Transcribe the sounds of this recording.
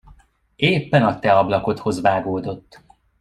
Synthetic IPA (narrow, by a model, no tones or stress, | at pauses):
eːpːɛnɒt̪ɛɒblɒko̞t̪ho̞zvaːɡoːd̪o̞t̪ː